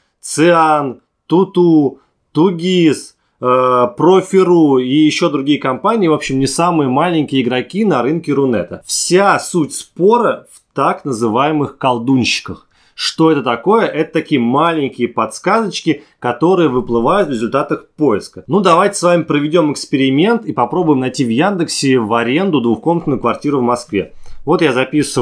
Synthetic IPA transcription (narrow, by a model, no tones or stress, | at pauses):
t̪sɨan | t̪ʊt̪u | t̪uɡʲis | əpɾofʲɪɾuijɪɕːo̞d̪ɾʊɡʲijəkɐmpanʲɪːvo̞pɕːɪmnʲɪsamɨjəmalʲɪnʲkʲɪjəɪɡɾɐkʲinɐɾɨnkʲɪɾʊnɛ̰t̪əfsʲasutʲspo̞ɾəft̪aknəzɨvajɪmɨxkɐlˠd̪unʲɕːɪ̥kəx | ʂt̪o̞ɛt̪ət̪ɐko̞jəʔɛt̪ə̥t̪ɐkʲijəmalʲɪnʲkʲɪjəpɐt̪skazət͡ɕkʲɪ | kɐt̪o̞ɾɨjəvɨplˠɨvajʊt̪vɾʲɪzʊlʲt̪at̪əxpo̞jɪskənud̪ɐvajtʲɪ̥svamʲɪpɾəvʲɪdʲo̞mɪkspʲɪɾʲɪmʲe̞nt̪ipɐpɾo̞bʊjɪmnɐjtʲivjand̪ɨksʲɪvɐɾʲe̞nd̪ʊd̪vʊxko̞mnt̪nʊjʊkvɐrtʲiɾʊvmɐskvʲevo̞t̪jazɐpʲisə